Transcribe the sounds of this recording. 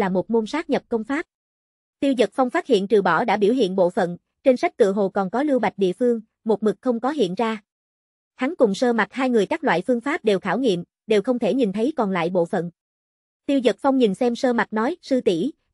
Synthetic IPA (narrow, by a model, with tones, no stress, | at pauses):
laː˨˩mo˨˩t̚mo˧nsaː˦˥k̚ɲə˨˩p̚kə˧wŋ͡mfaː˦˥p̚ | t̪i˧əwzə˨˩t̚fa˧wŋ͡mfaː˦˥t̚hḭ˧˨ənt͡ɕɨ˨˩ɓɔ˧˩ɗa̰ː˧˥ɓi˧˩əwɦḭ˧˨ənɓo̰˧˨fə̰˧˨n | t͡ɕe˧nsa˦˥jk̚t̪ɨ̰˧˨əɦo˨˩kɔ˨˩nkɔ˨˦lɨ˧əwɓa˨˩jk̚ɗḭ˧˨əfɨ˧əŋ | mo˨˩t̚mɨ˨˩k̚xə˧wŋ͡mkɔ˨˦ɦḭ˧˨ənzaː˧ | xʰa˨˦ŋkʊ˨˩ŋ͡msəː˧ma˨˩t̚haː˧jŋɨ˨˩əjkaː˦˥k̚lwa̰ː˧˨jfɨ˧əŋfaː˦˥p̚ɗe˨˩wxaː˧˩wŋḭ˧˨əm | ɗe˨˩wxə˧wŋ͡mt̪ʰe˧˩ɲi˨˩nt̪ʰə˨˦jkɔ˨˩nla̰ː˧˨jɓo̰˧˨fə̰˧˨n | t̪i˧əwzə˨˩t̚fa˧wŋ͡mɲi˨˩nsɛ˧msəː˧ma˨˩t̚nɔ˨˦jsɨ˧t̪i˧˩